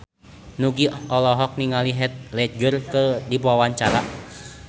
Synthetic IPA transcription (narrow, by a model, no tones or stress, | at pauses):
nuɡiɔlɔɦɔk̚niŋaliɦɛt̪̚lɛd͡ʒurkədipawaɲt͡ʃaɾa